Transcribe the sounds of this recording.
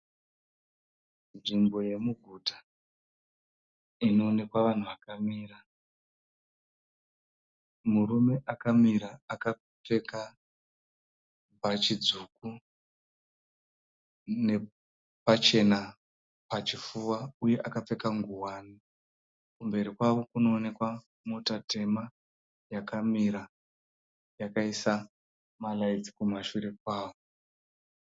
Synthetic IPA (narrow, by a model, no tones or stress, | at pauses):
nʐimbo̞je̞muɡʱutḁ | ino̞ːne̞kwaʋan̤uʋakamiːra | murume̞ʔakamiɾaːka | p͡fe̞ka | bʱat͡ʃid͡zuk̚u | ne̞ | pat͡ʃe̞na | pat͡ʃifuwauje̞ʔakap͡fe̞kaŋɡuwaːni | kumbe̞ɾikwaʋo̞kuno̞ːne̞kwa | motate̞ma | jakamiɾa | jakaisa | malaid͡zikumaʃuɾe̞k̚waːʋo